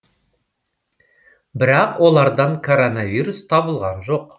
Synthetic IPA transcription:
bɪɾɑqwʔo̞lˠɑɾd̪ɑɴkʰo̞ɾonavʲijɾust̪ʰɑbəlˠʁɑnʒo̞q

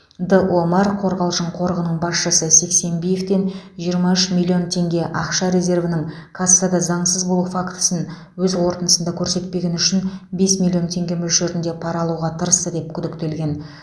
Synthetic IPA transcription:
d̪əʔomɑrqʰo̞ɾʁɑlˠʒəɴqʰo̞ɾʁənəɴbɑsʃəsəse̞kse̞mbije̞ft̪e̞nʒijəɾmɑʏʃmʲilʲˠːio̞nt̪ʰe̞ŋɡʲe̞ʔɑqʃɑɾe̞ze̞ɾvənɪɴ | kʰasːɑd̪ɑzɑɴsəzbo̞lˠufakt̪ə̥sən | wɵzwo̞ɾt̪ənəsənd̪ɑkʲʰɵɾse̞t̪̚pe̞ɡʲe̞nʏʃɪnbe̞smʲilʲˠːio̞nt̪ʰe̞ŋɡʲe̞mʏʒʒe̞ɾɪnd̪e̞pʰɑɾɑlˠuʁɑt̪ʰəɾəst̪əd̪e̞p̚kʲʰʏd̪ɪkt̪e̞lɡʲe̞n

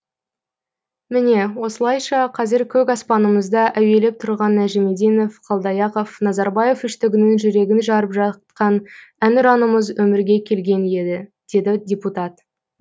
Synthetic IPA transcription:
mɪne̞wo̞səlˠɑjʃɑqʰɑzɪɾkʲʰɵkɑspɑnəməzd̪ɑʔæwe̞le̞p̚t̪ʰʊɾʁɑnːæʒeme̞d̪ijno̞fqʰɑlˠd̪ɑjɑqofnɑzɑɾbɑje̞fʏʃt̪ɪɡʲɪnɪŋʒʏɾe̞ɡʲɪnʒɑɾəpʒɑt̪̚qɑnænʊɾɑnəməzwɵmɪɾɡʲe̞kʲʰe̞lɡʲe̞ne̞d̪ɪd̪̥e̞d̪ɪdʲe̞put̪ɑt̪

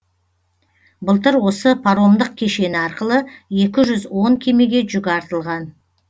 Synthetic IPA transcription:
bəlˠt̪əɾwo̞səpʰaɾo̞md̪əq̚kʲʰe̞ʃe̞nɪɑɾqəlˠəe̞kʲɪʒʏzwo̞ŋkʲʰe̞me̞ɡʲe̞ʒʏɡʲɑɾt̪əlˠʁɑn

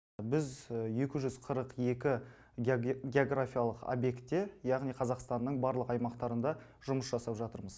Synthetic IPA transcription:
bɪzje̞kʲɪʒʏzqʰəɾəqje̞kʲɪ | ɡʲeoɡrafʲijɑlˠəqo̰bje̞kt̪ːejɑʁnijqʰɑzɑqst̪ɑnːəɴbɑɾlˠəqɑjmɑqt̪ɑɾənd̪ɑ | ʒʊməsʒɑsɑpʒɑt̪əɾməz̥

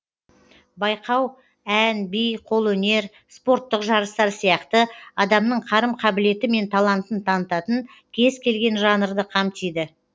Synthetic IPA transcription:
bɑjqʰɑw | ænbijqʰo̞lˠwɵne̞ɾ | spo̞ɾt̪ːəqʒɑɾəst̪ɑɾsijɑqt̪əɑd̪ɑmnəɴqʰɑɾəmqʰɑbɪle̞t̪ɪme̞nt̪ʰɑlˠɑnt̪ənt̪ʰɑnət̪ɑt̪əŋ | kʲʰe̞zkʲʰe̞lɡʲe̞nʒɑnəɾd̪əqʰɑmt̪ijd̪ɪ

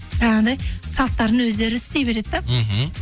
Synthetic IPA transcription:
ʒɑɑɴd̪ɑjsɑlˠt̪ːɑɾənwɵzd̪e̞ɾɪst̪e̞jbe̞ɾe̞d̪ɪd̪ɑɦ̩

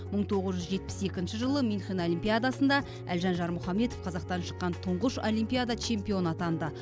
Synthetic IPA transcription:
məɴt̪ʰo̞ʁəzʒʏzʒe̞t̪pɪ̥se̞kʲɪnʃɪʒəlˠəminχenolʲimpʲijad̪asənd̪ɑ | ælʒɑnʒɑɾmʊχɑme̞t̪ofqʰɑzɑqt̪ɑnʃə̥qːɑnt̪ʰʊɴʁəʃolijmpʲijad̪at͡ʃʰe̞mpʲio̞nɑt̪ɑnd̪ə

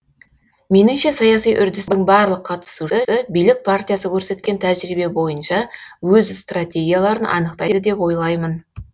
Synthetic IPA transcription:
me̞nɪŋʃe̞sɑjɑsijʔʏɾd̪ɪsəɴbɑɾlˠəqʰːɑt̪ə̥suəəbijlɪk̚pʰart̪ʲijasəkʲʰɵɾse̞t̪̚kʲe̞nt̪ʰæʒɾibe̞bo̞jənʃɑwɵzst̪rat̪ʲe̞ɡʲijalˠɑɾənʔɑ̰nəqt̪ɑjd̪ɪd̪e̞pwo̞jlˠɑjmən

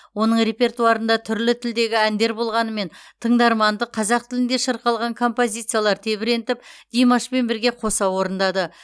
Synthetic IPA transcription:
wo̞nəɴɾe̞pʲe̞rt̪uɑɾənd̪ɑt̪ʰʏɾlɪt̪ʰɪld̪e̞ɡʲɪænd̪e̞ɾbo̞lˠʁɑnəme̞nt̪ʰəɴd̪ɑɾmɑnd̪əqʰɑzɑq̚t̪ʰɪlɪnd̪eʃəɾqɑlˠʁɑŋkʰo̞mpo̞zʲijt̪sɨijalˠɑɾt̪ʰe̞bɪɾe̞nt̪ɪpd̪̥ijmaʃpe̞nbɪɾɡʲe̞qʰo̞sɑwo̞ɾənd̪ɑd̪ə

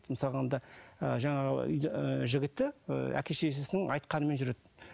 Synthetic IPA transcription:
d̪məsɑlˠəond̪ɑəʒɑɴɑʁə̰ə̰ʏ̰j̪ʒɪɡʲɪt̪ːɪ̰æ̰kʲe̞ʃe̞s̬ɪsɪnɪŋɑjt̪̚qɑnəme̞nʒʏɾe̞d̪ɪ

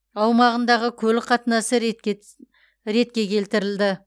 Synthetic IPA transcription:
ɑwmɑʁənd̪ɑʁəkʲʰɵlɪqʰɑt̪ənɑsəɾ | ɾe̞t̪kʲe̞kʲʰe̞lt̪ɪɾɪld̪ɪ

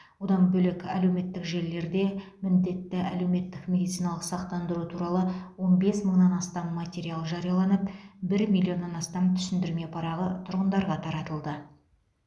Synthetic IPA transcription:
wod̪ɑnbɵlɪkæle̞wme̞t̪ːɪkʒe̞ɾle̞ɾd̪e̞mɪnd̪e̞t̪ːɪʔæle̞wme̞t̪ːɪkmʲe̞d̪it̪sijnɑlˠəqsɑq̚t̪ɑnd̪əɾut̪ʰuɾɑlˠəwo̞nbe̞sməɴnɑnɑst̪ɑmːat̪ʲe̞ɾialˠʒɑɾijɑlˠɑnəpbɪɾmʲijlʲːio̞nːɑnɑst̪ɑmt̪ʰʏ̥sɪnd̪ɪɾme̞pʰɑɾɑʁət̪ʰʊɾʁənd̪ɑɾʁɑt̪ʰɑɾɑt̪əlˠd̪ə

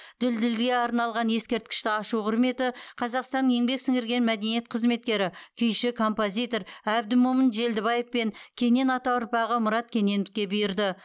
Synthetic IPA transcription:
d̪̥ɪld̪ɪlɡʲe̞ɑɾnɑlˠʁɑnje̞skʲe̞ɾt̪kʲɪ̥ʃt̪ɪɑʃuqʰʊɾme̞t̪ɪqʰɑzɑqst̪ɑnje̞ŋbe̞ksɪŋɡɪɾɡʲe̞nmæd̪e̞nije̞t̪̚qʰəzme̞t̪̚kʲe̞ɾɪkʲʰʏjʃɪkʰo̞mpo̞zʲijt̪o̞ɾæb̚d̪ɪmomənʒe̞ld̪ɪβɑjefpe̞ŋkʲʰe̞ne̞nɑt̪ɑʊɾpɑʁəmʊɾɑt̪̚kʲʰe̞ne̞nɪkʲe̞bɪjɪɾd̪ɪ

